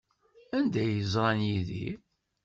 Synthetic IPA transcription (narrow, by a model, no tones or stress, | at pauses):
ænd̪æjəzˤɾˤɑnjiðḭ